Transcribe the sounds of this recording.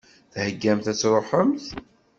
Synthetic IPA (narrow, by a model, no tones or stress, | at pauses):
θhəɡːæmθæt͡sːɾˤoħəmθ